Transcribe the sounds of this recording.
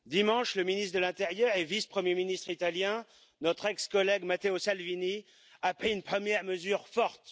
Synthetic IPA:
d̪imɑ̃ʃləminist̪d̪əlɛ̃t̪ɛʁjœʁevispχəmjeminist̪χit̪aljɛ̃ | nɔt̪χɛkskɔlɛɡmat̪eosalvini | apχiynpχəmjɛʁməzyʁfɔʁt̪

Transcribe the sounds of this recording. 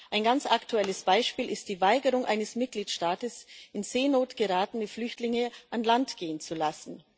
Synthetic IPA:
ʔaɪnɡant͡saktuɛləsb̥aɪʃpiːlʔɪst̚d̥iːvaɪɡəʁʊŋʔa̰ɪnəsmɪt̚ɡ̥liːtʃtaːtəsɪnzeːnoːtɡ̥əʁaːtn̩əflʏçtlɪŋəʔanlantɡ̥eːənt͡sulasn̩

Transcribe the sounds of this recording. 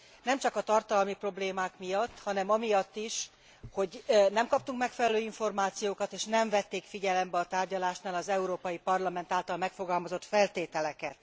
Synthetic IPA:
nɛmt͡ʃɒkɒt̪ɒrt̪ɒlmipro̞bleːmaːkmijɒt̪ːhɒnɛmɒmijɒt̪ːiʃ | ho̞ɟnɛmkɒpt̪uŋkmɛkfɛlɛløːiɱfo̞rmaːt̪sijoːkɒt̪eːʃnɛɱvɛt̪ːeːkfiɟɛlɛmbɛɒt̪aːrɟɒlaːʃnaːlɒzɛuɾoːpɒjipɒrlɒmɛnt̪aːlt̪ɒlmɛkfo̞ɡɒlmɒzo̞t̪fɛlt̪eːt̪ɛlɛkɛt̪

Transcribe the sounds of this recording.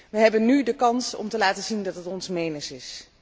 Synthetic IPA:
ʋəɦɛbənːydəkɑnsɔ̰mtəlaːtəzindɑtɦətɔnsmejnəsɪs

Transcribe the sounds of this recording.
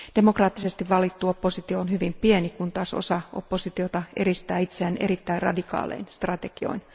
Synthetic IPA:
d̥e̞mo̞krɑːt̪ːise̞st̪iʋʋɑlit̪ːuo̞pːo̞sit̪ioːnɦyʋimpienikunt̪ɑso̞̰sɑʔo̞̰pːo̞sit̪io̞t̪ɑʔe̞ɾist̪æːit̪seænʔe̞̰ɾit̪ːæirɑ̰dikɑ̰ːlḛijnst̪rɑt̪e̞ɡ̥io̞̰in

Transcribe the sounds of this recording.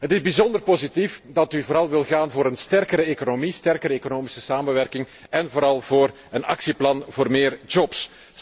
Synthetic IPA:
ɦətɪzbizɔndərpozitifdɑtyvoːɾɑlˠʋɪlˠɣaːnvoːɾənstɛrkəɾəeːkonomistɛrkəɾəeːkonoːmisəsaːmənʋɛrkɪŋ | ɛnvoːɾɑlˠvoːr | ənɑ̰ksiplɑnvoːrmeːrd͡ʒɔps

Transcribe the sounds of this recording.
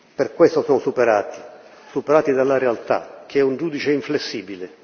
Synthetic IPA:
perkwest̪osɔnsupeɾaːt̪i̥ | supeɾaːt̪id̪alːaɾealt̪a̰k̟eɛund͡ʒuːd̪it͡ʃeiɱflesːiːbile

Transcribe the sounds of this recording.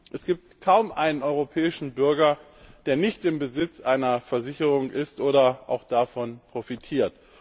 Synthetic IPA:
ʔɛsɡ̥iːp̚tkʰaʊmʔaɪnənʔɔʏʁopʰɛːɪʃn̩bʏɐɡɐ | d̥eːɐnɪçtɪmbəzɪt͡sʔaɪnɐfɛɐzɪçəʁ̞ʊŋʔɪstʔoːɾɐʔa̰ʊxd̥afɔnpʁ̥ofitʰiːɐt

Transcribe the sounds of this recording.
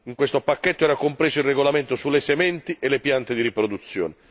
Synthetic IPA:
iŋkwest̪opakːet̪ːoɛːɾakompɾeːsoilreɡolament̪osulːesemɛnt̪iʔelepjant̪ed̪iɾipɾod̪ut̪sːjo̰ːne

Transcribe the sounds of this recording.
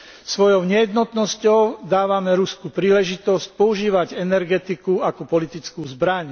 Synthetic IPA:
sʋɔjɔʊɲɛjɛd̪nɔt̪nɔscɔʊd̪aːʋamɛɾuskuːpɾiːlɛʒit̪ɔsc̚pɔuʒiːʋaɟɛnɛɾɡɛt̪ikuakɔpɔlit̪it͡skuːzbɾaɲ

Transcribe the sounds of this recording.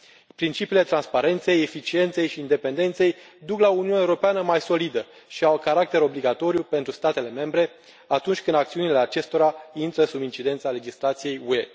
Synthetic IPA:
pɾint͡ʃipiːle̞t̪ɾanspaɾe̞nt̪se̞je̞fit͡ʃie̞nt̪se̞jʃiːnd̪e̞pe̞nd̪e̞nt̪se̞j | d̪uklauniunʲaeuɾo̞peanəmajso̞lid̪ə | ʃiakaɾak̚t̪e̞ɾo̞bliɡat̪o̞ɾijupe̞nt̪ɾust̪at̪e̞le̞me̞mbɾe̞ | at̪unt͡ʃʲkɨnd̪ak̚t̪siunile̞at͡ʃe̞st̪o̞ɾaint̪ɾəsubint͡ʃid̪e̞nt̪sale̞d͡ʒislat̪sije̞jue̞

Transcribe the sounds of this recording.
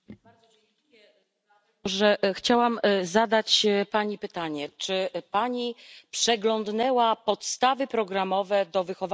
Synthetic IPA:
ɔʐɛxt͡ɕawamzad̪at͡ɕpaɲipɘt̪aɲɛt͡ʂɘpaɲipʂɛɡlɔnd̪nɛwapɔt̪st̪avɘpɾɔɡɾamɔvɛd̪ɔvɘxɔva

